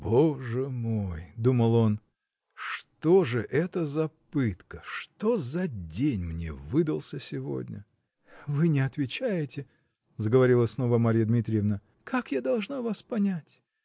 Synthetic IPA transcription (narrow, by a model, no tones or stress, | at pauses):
boʐɨmojd̪uməlˠo̞n | ʂt̪oʐɨʔɛt̪əzɐpɨt̪kəʂt̪ozɐdʲenʲmnʲḛvɨd̪əlˠsʲəsʲɪvo̞̰dʲnʲə̰ | vɨnʲɪɐt̪vʲɪt͡ɕæjɪtʲɪ | zəɡəvɐɾʲilˠəsno̞vəmaɾʲijəd̪mʲit̪ɾʲɪjəvnə | kʰakjad̪ɐlˠʐnavaspɐnʲætʲ